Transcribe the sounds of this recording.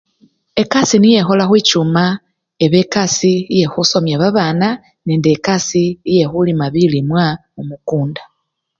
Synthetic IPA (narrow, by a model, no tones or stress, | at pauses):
e̞kasinije̞xo̞laxwiːcuma | eβe̞kasiije̞xuso̞mjaβaβaːna | neːndekasiːje̞xulimaβilimwa | omukuːnda